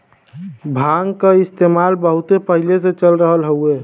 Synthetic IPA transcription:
bʱaŋkeist̪emalbəɦut̪epəɦiles̬et͡ʃəlɾəɦəlɦəue

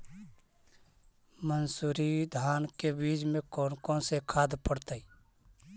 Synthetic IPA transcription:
mənsuːɾid̪ʱaːnkebiːd͡ʒmẽkonkõːnsekʰaːd̪pəɽt̪əi

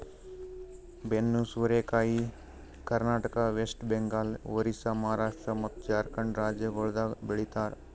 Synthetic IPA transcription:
benːusuɾekaːi | kɐɾnaːʈəkaʋeːsʈbeŋɡaːlʋəɾisamɐɦaːɾaːʂʈɾəmɐt̪t͡ʃaːɾkəɳɖɾaːd͡ʒjəɡoːɭd̪abeɭit̪aːɾ

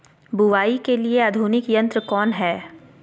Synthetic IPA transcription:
buʋaːikeliead̪ʱuːnɪkjɐ̃nt̪ɾəkɔːnɦɛː

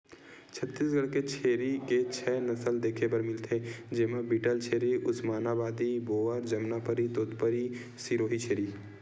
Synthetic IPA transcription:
t͡ʃʰət̪ːiːs̬ɡəɽket͡ʃʰeːɾiket͡ʃʰɛːnɐsəld̪eːkʰepəɾmɪlt̪ʰed͡ʒeːmãbiːʈəlt͡ʃʰeːɾiʔʊsmaːnabaːd̪iboːəɾd͡ʒɐmnapəɾit̪oːt̪pəɾi | siːɾoːɦit͡ʃʰeːɾiː

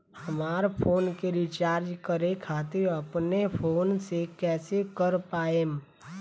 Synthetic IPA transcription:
hɐmaːɾpʰoːnkeɾit͡ʃaːɾd͡ʒkəɾekʰaːt̪ɪɾɐpnepʰoːnsekɛːsekəɾpaːem

